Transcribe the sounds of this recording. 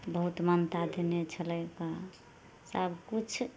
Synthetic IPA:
bəɦut̪mənt̪ad̪ʱenet͡ʃʰələjka | səbʱkut͡ʃʰ

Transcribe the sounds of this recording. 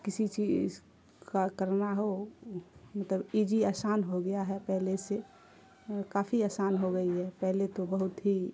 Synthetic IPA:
kɪsit͡ʃiz | kakəɾnaɦo | mət̪ləbid͡ʒiaːsaːnɦoɡɐjaɦɛpɛɦlese | kaːfʰiaːsaːnɦoɡɐiɦɛpɛɦlet̪obəɦʊt̪ɦi

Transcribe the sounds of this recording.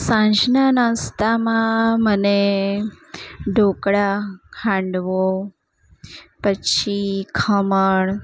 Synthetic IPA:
sãɲd͡ʑnanəst̪amãməne | ɖʱokɽakʰãɳɖʋo | pəɕikʰəməɳ

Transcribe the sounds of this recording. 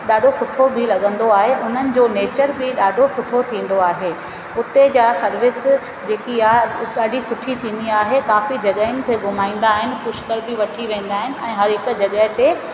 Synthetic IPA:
ɗaːɖʱosʊʈʰobʱɪlɐɠə̃nd̪oaːɦeʔʊn̤ənɪ̆d͡ʑoːneːt͡ɕəɾbɪɗaːɖʱosʊʈʰot̪ʰĩːn̆d̪oaːɦeː | ʊt̪ed͡ʑaːsɐɾʋɪs | d͡ʑeːkiaːɗaːɖʱisʊʈʰit̪ʰĩːn̆d̪iaːɦekaːfid͡ʑɐɠaːɪnɪ̆kʰeːɡʱʊmaːĩːn̆d̪aːɦɪnɪ̆pʊʃkəɾbʱɪʋɐʈʰiʋẽːn̆d̪aːɦɪnɪ̆ɛ̃ːɦɐɾɦɪk̆d͡ʑɐɠəɦt̪e

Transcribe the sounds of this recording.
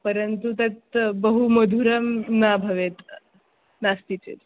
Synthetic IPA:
pəɾənt̪ut̪ət̪bəɦuməd̪ʱuɾəmnabʱəʋet̪ | nast̪it͡ɕḛt̪

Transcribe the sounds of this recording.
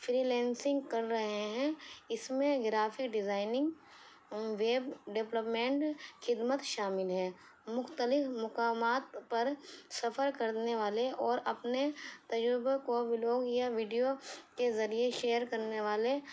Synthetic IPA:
fʰɾiːlɛːnsɪ̃ŋɡkɐɾːɐɦeɦɛ̃ɪsmẽɡɾaːfʰɪkɖɪzaːɪnɪ̃ŋɡ | ʋeːbɖɪpləpmẽːɳʈxɪd̪mət̪ʃaːmɪlɦɛː | mʊxt̪əlɪfmʊkaːmaːt̪pɐɾsɐfəɾkɐɾneʋaːleʔɔːɾɐpnet̪ɐd͡ʒɾɪbekobɪloːɡjaʋiːɖijokezɐɾieʃeːəɾkɐɾneʋaːle

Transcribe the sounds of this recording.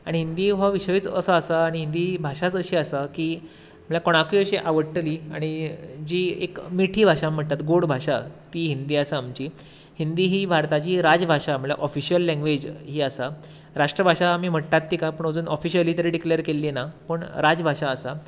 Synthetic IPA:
aɽ̃iɦind̪iːɦaʋiɕʋiːt͡sə̰səəsaːɽ̃iɦind̪iːbʱaʂat͡səɕiːasakiː | m̤əɭjakoɽ̃akuəɕiʔaʋəɽʈːəliːa̰ɽ̃id͡ʑiːḛkmiʈʰiːbʱaʂam̤əʈ̚t̪at̪ɡoɽbʱaʂat̪iːɦind̪iːasaːmt͡ɕiː | hind̪iːɦiːbʱaɾt̪at͡ɕiːɾad͡zbʱaɕam̤əɭja̰ʔɔfiɕijəlːɛ̃ŋɡʋed͡ʑɦiːasa | ɾaʂʈɾəbʱaʂaːmiːm̤əʈ̚t̪at̪ːiːkapəɳəd͡zuːnʔɔfiɕəliːt̪əɾeɖikleəɾkelːenapəɳɾad͡zbʱaʂaːsa

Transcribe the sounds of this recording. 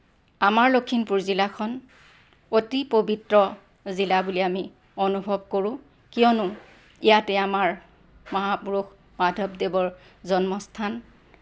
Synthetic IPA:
amaɹlokʰːinpuɹzilakʰɔn | otipobitɹɔ | zilabuliami | onubʱɔb̚koɹʊ̃ | kijɔnʊ | ijatɛamaɹ | mɔɦapuɹuk | madʱɔbdebɔɹzɔnmɔstʰan

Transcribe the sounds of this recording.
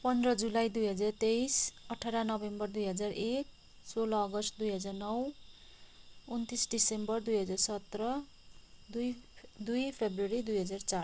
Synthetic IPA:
pʌnd̪rʌd͡zulajd̪ujɦʌd͡zart̪ejsʌʈʰaɾanʌbembʌrd̪ujɦʌd͡zarek̚ | solʌːɡʌsʈd̪ujɦʌd͡zarnʌw | unt̪isɖisembʌrd̪ujɦʌd͡zarsʌt̪rʌ | d̪ujpʰebrʌɾid̪ujɦʌd͡zart͡sa

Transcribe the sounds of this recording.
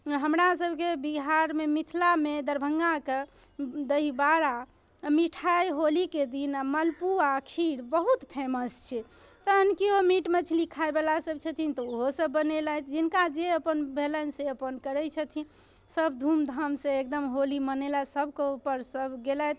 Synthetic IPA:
ɦəmɾasəbʱkebiɦaɾmemit̪ʰlamed̪əɾbʱəŋɡake | d̪əɦibaɾa | miʈʰajɦoliked̪inaməlpuakʰiɽbəɦut̪pʰeməst͡ʃʰɛ | t̪əənkiomiʈmet͡ʃʰlikʰaebelasəb̚t͡ʃʰət̪ʰint̪ɔoɦosəbːənelajt̪d͡ʒinkad͡ʒeəpənbʱelənseəpənkəɾɛt͡ʃʰət̪ʰi | səbd̪ʱumd̪ʱəmsẽek̚d̪əmɦolimənelasəbʱkeupəɾsəbɡelat̪̚ʰ

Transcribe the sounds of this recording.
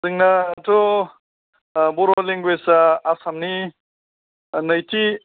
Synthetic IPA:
zɯŋnato | boɾoleŋɡwesaːsamni | nɐjtʰi

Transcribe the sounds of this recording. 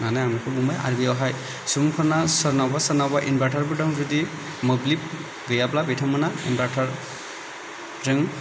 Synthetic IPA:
nanajamikʰɯbumaja̰ɾbiɔɦaj | sumkʰɔnasəɾnawbasəɾnawbaʔinbaʈʰaɾbɯdaŋzudi | mɯblip̚ | ɡɯjablabetʰamɯnainbaʈʰaɾ | ɾɯŋ

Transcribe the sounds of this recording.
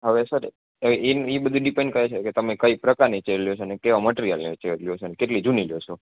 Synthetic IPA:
ɦəʋesəɾ | inibəd̪ʱũɖipẽɳɖ̚kəɦet͡ʃʰeket̪əmekəipɾəkaɾnet͡ʃeɾljosʰonekeʋaməʈeɾijalnet͡ʃeɾljoʃʰonekeʈlid͡ʒuniljoʃʰo

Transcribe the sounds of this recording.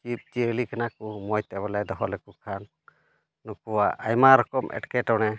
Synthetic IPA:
kip̚d͡ʒiəlikanakumɔjt̪ɛbalɛd̪ɔɦɔlɛkukʰanː | ukuwaʔajmaɾɔkɔmʔɛ̰ʈkɛʈɔnɛ

